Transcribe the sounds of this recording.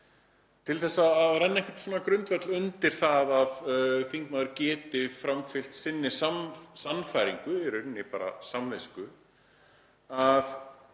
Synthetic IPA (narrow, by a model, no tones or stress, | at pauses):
t̪ʰɪlθɛsːaːðɾɛnːaɛŋkvɪɾt̪sɔːnakɾʏnt̪vɛt̪lʏnt̪ɪɾ̥θaðaðθiŋkmaðʏɾcɛːt̪ɪfɾamfɪl̥t̪sɪnːɪɾ̥samsanːfajɾiŋkʏɛɾʏnːɪpa̰ːɾa̰samvejskʏ | að